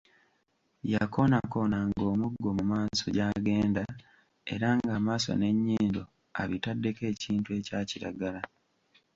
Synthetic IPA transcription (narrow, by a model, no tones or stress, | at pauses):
jako̞nako̞naŋɡo̞ːmuɡːo̞mumaːso̞ɟaːɡe̞ːnda | e̞̰ɾaŋɡaːmaːso̞̰ne̞ɲːiːndo | a̰βitadːe̞ke̞ːciːntue̞ːcaːciɾa̰ɡala